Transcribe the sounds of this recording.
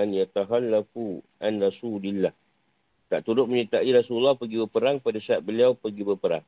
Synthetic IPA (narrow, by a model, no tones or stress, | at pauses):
anjat̪aɦalːafuʔanrasulilːah | t̪aʔt̪uɾʊʔ̚mənit̪aʔiɾasululːahpəɡibəpəɾaŋpadasaat̪̚bəliawpəɡibəpəɾa̰ŋ